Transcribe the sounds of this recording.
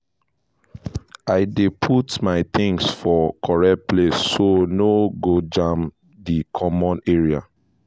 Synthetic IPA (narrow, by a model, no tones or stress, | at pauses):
aɪdepʰutmaɪt̪ĩŋsfɔkʰɔɹɛt̚plesːonoɡod͡ʒãm | dikʰɔmɔ̃neɹia̰